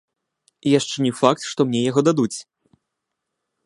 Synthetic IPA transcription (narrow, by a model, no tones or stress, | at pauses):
ijaʂt͡ʂɛnʲɛfak̚t̪ʂt̪ɔmnʲɛjaɣɔd̪ad̪ut͡sʲ